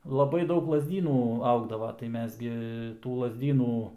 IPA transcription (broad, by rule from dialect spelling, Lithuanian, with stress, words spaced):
lˠɐˈbɐɪ ˈdɐʊk lˠɐzʲˈdʲiːnuː ˈɐʊɡdɐʋɐ tɐɪ ˈmʲɛs ɡʲɪ tuː lˠɐzʲˈdʲiːnuː